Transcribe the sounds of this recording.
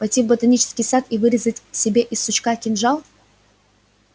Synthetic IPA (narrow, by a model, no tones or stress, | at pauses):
pɐjtʲivbət̪ɐnʲit͡ɕɪ̥skʲɪjsat̪ivɨɾʲɪzətʲsʲɪbʲeʔɪsːʊt͡ɕkakʲɪnʐalˠ